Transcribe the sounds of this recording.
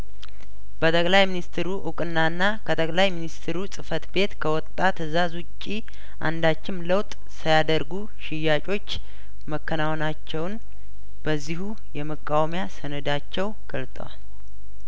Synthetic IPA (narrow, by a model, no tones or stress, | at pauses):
b̥ət̪ʼəkʼlajminist̪ʰɾuʔukʼɨnːanːakʰət̪ʼəkʼlajminist̪ʰɾusʼɨfət̪be̞t̪kʰəwɔt̪ʼːat̪ɨzazʊt͡ʃʼːi | ʔa̰nd̪at͡ʃːɪmləwt̪ʼ | səjad̪əɾɡu | ʃɪjːat͡ʃʼo̞t͡ʃː | məkʰːənawnat͡ʃːɛwn | b̥əzːihu | jɛməkʼːawmjasənəd̪at͡ʃːɛwɡ̥əlt̪ʼə̰wa̰l